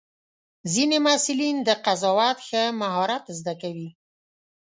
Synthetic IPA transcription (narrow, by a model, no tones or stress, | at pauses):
zinemasɪlind̪əqazɑwat̪xəmaɦɑɾat̪zd̪akawi